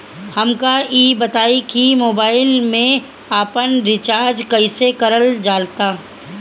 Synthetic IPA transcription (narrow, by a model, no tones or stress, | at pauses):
hɐmkaiːbɐt̪aːikimoːbaːɪlmẽ | aːpənɾɪt͡ʃaːɾd͡ʒkɐɪsekɐɾəld͡ʒaːlt̪aː